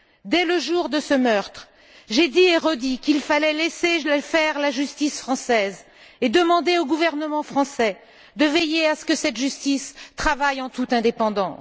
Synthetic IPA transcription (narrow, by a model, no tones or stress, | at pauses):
d̪ɛləʒuʁd̪əsəmœʁt̪χ | ʒed̪ieʁɔd̪ikilfalɛlesefɛʁlaʒyst̪isfχɑ̃sɛz | ed̪əmɑ̃d̪eoɡuvɛʁnəmɑ̃fχɑ̃sɛ | d̪əvejeasə̥kəsɛt̪ʒyst̪ist̪χavajɑ̃t̪ut̪ɛ̃d̪epɑ̃d̪ɑ̃